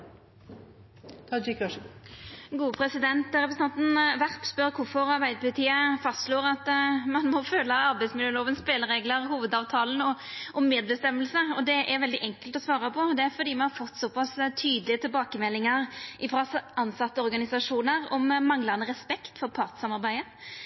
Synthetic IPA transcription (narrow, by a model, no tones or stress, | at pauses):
t̪ʰɑd͡ʒkɑʂ | ɡuːəpʰɾɛsɪd̪ɛnt̪ɾɛpɾsn̩ʰɑnt̪n̩ʋæʁpspœɾkʰʊfɔɾɑɾbæɪd̪əpʰɑlɪt̪ʰiːəfɑst̪ʂloːɾɑt̪mɑnmɔføːləɑɾbæɪsmɪløːloːʋənspeːləɾeːɡləɾhuːʋəd̪ɑːʋt̪ʰɑːln̩ɔʔɔmːeːd̪̚bəst̪ɛmːəlsəɔd̪ɛʔæɾʋɛld̪ɪʔɛŋkəlt̪ɔsʋɑːɾɑpʰɔd̪ɛæɾfɔɾd̪iːmɑnhɑɾfɔt̪ːsɔpɑst̪ʰyːd̪əlɪət̪ʰɪlbɑːkəmɛlːɪŋəɾʔɪfɾɑɑnsɑt̪ːəɔɾɡɑnɪsɑʂuːnəɾɔmːɑŋlɑʁnəɾɛspɛkt̪fɔɾpʰɑʁt̪sɑmɑɾbæɪə